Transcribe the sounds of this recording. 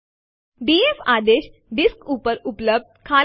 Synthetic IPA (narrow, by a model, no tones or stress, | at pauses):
biefad̪eɕ | ɖiskupəɾupləb̚d̪̚kʰaː